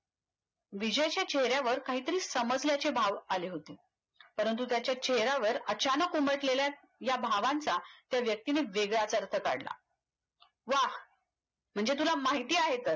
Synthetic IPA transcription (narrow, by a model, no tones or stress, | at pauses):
ʋid͡ʑəjt͡ɕjat͡ɕeɦɾjaʋəɾkaɦiːt̪əɾiːsəməd͡zljat͡ɕebʱaʋaleɦot̪e | pəɾənt̪̬ut̪jat͡ɕjat͡ɕeɦɾaʋəɾət͡ɕanəkumbəʈlelja | jabʱaʋãnt͡sat̪jaʋjək̚t̪ineʋeɡɭat͡səɾt̪ʰəka̰ɽla̰ | ʋah | m̤əɳd͡zet̪̬ulamaɦit̪iːaɦet̪əɾ